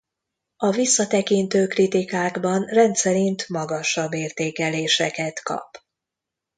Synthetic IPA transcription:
ɒvisːɒt̪ɛkint̪øːkrit̪ikaːɡbɒnrɛnt̪sɛɾint̪mɒɡɒʃɒbːeːrt̪eːkɛleːʃɛkɛt̪kɒ̰p

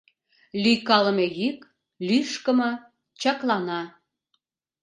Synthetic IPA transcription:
lyjkɑləmejyk | lyʃkəmɤ̆ | t͡ɕɑklɑnɑ

